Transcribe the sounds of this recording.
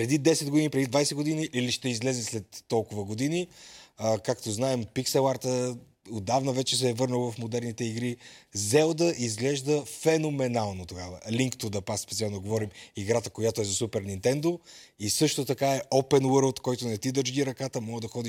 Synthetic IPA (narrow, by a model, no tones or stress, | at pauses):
pɾɛd̪id̪ɛsɛd̪ɡod̪inipɾɛd̪id̪vajsɛɡod̪iniʔiliʃt̪ɛizlɛzɛslɛt̪ːɔlˠkʊvəɡod̪iniəkakt̪oznaɛmpiksɛlˠaɾt̪ə | od̪avnəvɛt͡ʃɛsɛvɤɾnəlˠvɐfmod̪ɛɾnit̪ɛiɡɾizɛlˠd̪əʔizɡlɛʒd̪əfɛnomɛnalˠnot̪oɡavə̰liŋkt̪od̪ɐpakspɛt̪sialˠnoɡovɔɾimiɡɾat̪əkojat̪oɛzɐsupɛɾnint̪ɛnd̪o | isɤʃt̪ot̪ɐkaɛʔɔpɛnwəɾlˠt̪kɔjt̪onɐt̪id̪əd͡ʒɡiɾɐkat̪əmɔɡəd̪ɐxɔd̪i